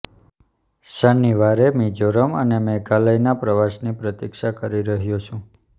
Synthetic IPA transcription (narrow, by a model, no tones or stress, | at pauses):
səniʋaɾemid͡ʒoɾəmənemekaləjnapɾəʋaʃnipɾət̪ikʃakəɾiɾəɦjot͡ʃʰũ